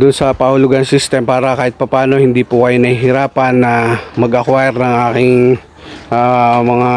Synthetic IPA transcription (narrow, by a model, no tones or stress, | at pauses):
d̪ʊnsɐpɐhʊlʊɡɐnsist̪ɛmpaːɾɐkaːhɪt̪̚pɐpaːno̞hɪnd̪iːpʊkɐjonɐhiɦɪɾaːpɐnːɐmɐɡʔɐkwaɾnɐŋʔaːkɪŋ | ʔamɐŋa